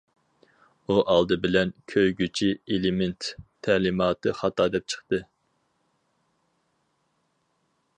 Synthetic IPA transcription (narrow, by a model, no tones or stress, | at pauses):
uʔɑlˠd̪ɨbɪlɛnkʲʰøjɡʲyt͡ʃʰielɪment̪ʰː | ælɪmɑːt̪ɨχɑt̪ʰɑːd̪ɛp̚t͡ʃʰə̥χt̪ɨ